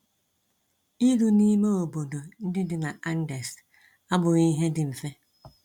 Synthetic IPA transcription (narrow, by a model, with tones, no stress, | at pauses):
i˦ɾu˨ni˦me˦o˨bo˨do˨n̩˦dɪ˦dɪ˨na˨ʔa˦n̩˦de˨s | a˦bʊ˨ɣi˦ɦe˦dɪ˨m̩˨fe˦